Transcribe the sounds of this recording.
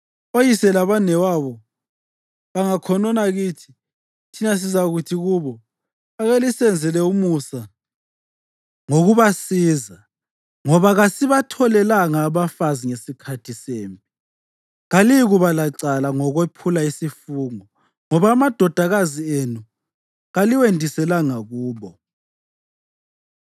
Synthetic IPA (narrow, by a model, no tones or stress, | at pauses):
ojisɛlaβanɛwaβɔ | βaŋakʰɔnɔnaɣiːtʰi̥ | tʰinas̬izaɣutʰiɣuːβɔ | aɣelisɛnd͡zʱɛlɛumusa | ŋoɣuβasiːza | ŋɔβaɣasiβatʰɔlɛlaŋaːβafaziŋesikʰatʰiseːmpʼi | ɣaliɣuβalaǀalaŋɔɣwepʰulaisifuːŋɔ | ŋɔβaːmad̥ʱɔd̥ʱaɣazienu | ɣaliwendʱisɛlaŋaɣuːβɔ